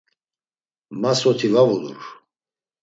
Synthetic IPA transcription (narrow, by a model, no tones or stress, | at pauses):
masɔt̪ʰivavulṵɾ